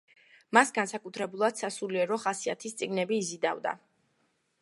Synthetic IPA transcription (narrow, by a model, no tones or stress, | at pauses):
masɡansakʼut̪ʰɾɛbulˠad̪̥sasuliɛɾɔχasiat̪ʰist̪sʼiɡnɛbiːzid̪a̰vd̪a̰